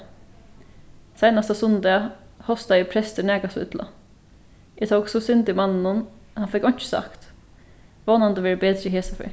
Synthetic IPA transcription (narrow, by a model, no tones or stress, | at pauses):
sæɪnɑst̪ɑsʊnd̪ɛhɔst̪ɑɪpʰɾɛst̪əɳæːɡɑsʋʉ̰d̪lʔɑ̰ | ɪt̪ʰowksusʏnd̪ɪmɑnn̩hʊnhɑnfɛkɔn̥t͡ʃə̥sɑ̰kt̪ | ʋoːnɑnd̪əʋɛːɹəbeːd̪ɾəɦeːsɑfœ̰ː